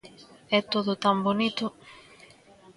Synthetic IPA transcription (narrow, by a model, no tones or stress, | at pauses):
ɛt̪oðʊt̪ambonit̪ʊ